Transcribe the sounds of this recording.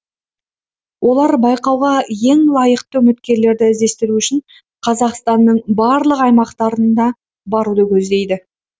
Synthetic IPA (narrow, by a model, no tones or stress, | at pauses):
wʔo̞lˠɑɾbɑjqɑwʁɑje̞ŋlˠɑjəqt̪əɵmɪt̪kʲe̞ɾle̞ɾd̪ɪɪzd̪e̞st̪ɪɾuʏʃɪɴ | qʰɑzɑqst̪ɑnːəɴbɑɾlˠəqɑjmɑqt̪ɑɾənd̪ɑ | bɑɾud̪əkʲʰɵzd̪e̞jd̪ɪ